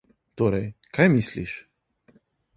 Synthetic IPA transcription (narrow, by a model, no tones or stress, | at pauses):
t̪oːɾɛjkʰajmislḭʃ